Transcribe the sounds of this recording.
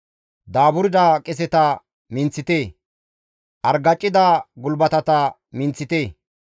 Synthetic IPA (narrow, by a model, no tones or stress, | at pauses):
d̪aːbʊɾd̪aːkʼɛs̬ɛt̪ɐ | mɪnt͡sːɪt̪eː | ʔɐɾɡɐt͡ʃʼːɪd̪aɡʊlbɐt̪ɐt̪ɐ | mɪnt͡sːɪt̪eː